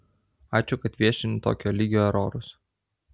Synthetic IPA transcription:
ɑːt͡ʃʲʊkɐt̪ʋʲiɛʃʲɪnʲɪt̪o̰ːkʲoːlʲiɡʲoːɛɾɔ̰ːɾʊs

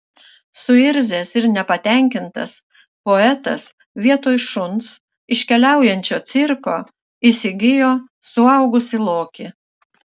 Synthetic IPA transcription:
sʊɪɾʲzʲeːsɪɾnʲɛpɐt̪ʲɛˑŋʲkʲɪnt̪ɐ̰s | poɛt̪ɐs | ʋʲiɛt̪oːjʃʊns | ɪʃʲkʲɛlʲæˑʊjɛnʲt͡ʃʲoːt̪sʲɪɾkoː | isʲɪɡʲɪjoː | sʊɐʊɡʊsʲɪlˠoːkʲɪ

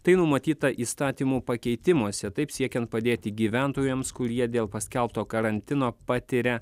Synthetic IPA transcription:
t̪ɐɪnʊmɐt̪ʲiːt̪ɐʔiːst̪ɑːt̪ʲiːmuːpɐkʲɛɪt̪ʲɪmuɔsʲɛt̪ɐɪpsʲiɛkʲɛnt̪̚pɐd̪ʲeːt̪ʲɪɡʲiːʋʲæˑnt̪oːjɛmskʊɾʲiɛd̪ʲeːlˠpɐsʲkʲɛlˠp̚t̪oːkɐɾɐnʲt̪ʲɪnoːpɑːt̪ʲɪɾʲɛ

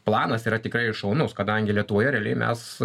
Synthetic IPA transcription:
plˠɑːnɐsiːɾɐt̪ʲɪkɾɐɪɪʃɐʊnʊskɐd̪ɐŋʲɡʲɪlʲiɛt̪ʊʋoːjɛɾʲɛːlʲɛɪmʲɛ̰s

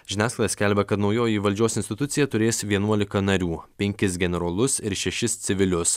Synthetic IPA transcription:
ʒʲɪnʲæːsklɐlʲɐsʲkʲɛlʲbʲɛkɐt̪nɒʊjoːjiʋɐlʲd͡ʒʲoːsɪnsʲt̪ʲɪt̪ʊt̪sʲɪjɛt̪ʊɾʲeːsʋʲiɛnuɔlʲɪkɐnɐɾʲuːpʲɛŋʲkʲɪsɡʲɛnʲɛɾoːlˠʊsɪɾʃʲɛʃʲɪst̪sʲɪʋʲɪlʲʊs

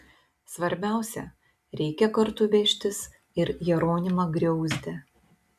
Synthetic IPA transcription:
sʋɐɾʲbʲæˑʊsʲɛ̰ | ɾʲɛɪkʲɛkɐɾt̪ʊʋʲeːʃʲt̪ʲɪs | ɪɾjɛɾoːnʲɪmɐɡɾʲɛʊzʲd̪ʲɛ

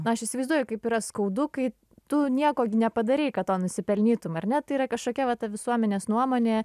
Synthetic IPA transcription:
nʊɐʃɪʃʲsʲɪʋɐɪzd̪uɔjʊkɐɪpiːɾɐskɐʊd̪ʊkɐɪ | t̪ʊnʲiɛkoːɡʲɪnʲɛpɐd̪ɐɾʲeɪkɐttoːnʊsʲɪpʲɛlʲnʲiːt̪ʊmɐrnʲɛt̪ɐɪiːɾɐkɐʃkoːkʲɛʋɐt̪ɐʋʲɪsuɔmʲɛnʲeːsnuɔmoːnʲeː

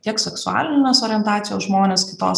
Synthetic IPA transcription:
t̪ʲiɛksʲɛksʊɑ̰ːlʲɪnʲɪnʲoːsoːɾʲiɛnt̪ɑːtt͡s̪ʲɪjoːsʒmoːnʲeːskʲɪt̪o̰ːs

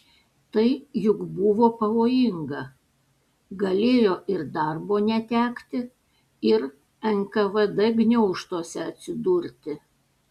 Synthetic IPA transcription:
t̪ɐɪjʊɡbʊʋoːpɐʋoːjɪŋɡɐ | ɡɐlʲeːjoːʔɪɾd̪ɑˑɾboːnʲɛt̪ʲæːkt̪ʲɪ | ɪɾ | ɛŋkɐʋɛd̪ɛɡnʲɛʊʃt̪oːsʲɛɐt̪ʲsʲɪd̪uɾʲt̪ʲɪ

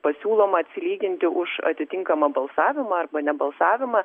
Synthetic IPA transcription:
pɐsʲuːlˠoːmɐɐt̪ʲsʲɪlʲiːɡʲɪnʲt̪ʲɪʔʊʃɐ̰t̪ʲɪt̪ʲɪŋkɐmɐbɐlˠsɑːʋʲɪmɐɐrbɐnʲɛbɐlˠsɑːʋʲɪmɐ

